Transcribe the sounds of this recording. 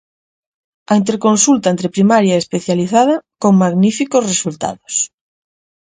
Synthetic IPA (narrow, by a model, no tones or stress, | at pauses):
aint̪eɾkõnsult̪aent̪ɾepɾimaɾjaeespeθjaliθaðɐkoŋmaɣnifikosresult̪a̰ðos